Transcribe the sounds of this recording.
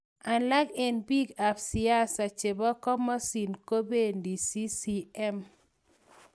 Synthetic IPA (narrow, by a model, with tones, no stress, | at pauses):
a˨nla˦ɡe˨nbi˦ɡa˨psi˨a˦sa˨t͡ʃe˨bɔ˦kɔ˦mɔ˦si˨nko˦be˦˨ndi˨si˦si˦ɛ˦m